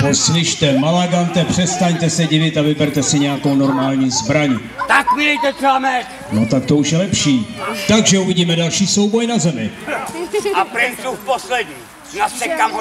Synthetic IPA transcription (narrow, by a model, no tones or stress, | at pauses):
poslɪʃt̪ɛmalaɡant̪ɛpr̝̥ɛst̪aɲt̪ɛsɛɟɪvɪt̪avɪbɛɾt̪ɛsɪɲɛjakowno̞ɾmaːlɲiːzbɾaɲ | t̪akvɪdɛjt̪ɛt̪ɛamɛt | not̪ak̚t̪ouʃjɛlɛpʃiːt̪aɡʒɛuvɪɟiːmɛdalʃiːso̞wbo̞jnazɛmɪ | apɾɪnsufposlɛdɲiː | naɛkam